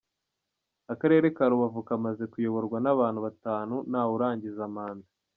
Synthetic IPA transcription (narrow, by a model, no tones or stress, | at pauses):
akaɾe̞ːɾe̞kaɾuβavukamaze̞kujo̞βo̞ɾɡwanaβaːnhuβataːnunawuɾaːɲɟizamaːnza